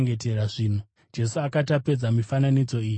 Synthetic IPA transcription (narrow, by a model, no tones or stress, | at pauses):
ŋɡet̬e̞raʐiːn̤u | d͡ʒe̞suakatape̞d͡zamifananid͡zo̞iːji